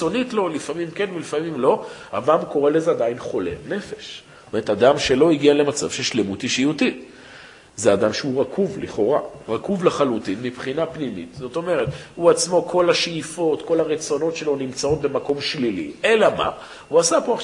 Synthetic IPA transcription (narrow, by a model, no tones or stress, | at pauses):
o̞nitlo̞lifamimke̞nvelifamimlo̞a̰bamko̞ʁe̞lezead̪ainχo̞le̞̰ne̞feʃs | tome̞ʁet̪ad̪amʃelo̞iɡiale̞mat͡sa̰v̥ʃeʃlemut̪iʃijutit | zead̪amʃeuʁakʰuvliχo̞ʁaʁakuvleχalutinmipχinapnimḭt̪zo̞t̪o̞me̞ʁet̪huat͡smo̞kʰo̞laʃifo̞t̪ko̞laʁet͡so̞no̞tʃe̞lo̞nimt͡sao̞t̪̚be̞mako̞mʃlilḭe̞lama̰ | huasapoaχ